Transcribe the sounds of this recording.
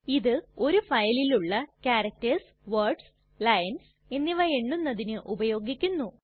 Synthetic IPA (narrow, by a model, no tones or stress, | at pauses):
iðɨo̞ɾufɐjɐliluɭːɐkaːɾɐk̚tɐrs | ʋɐrɖs | lɐjɐns | e̞nːiʋɐjeɳːunːɐðinɨʔubɐjo̞ːɡikʲːunːu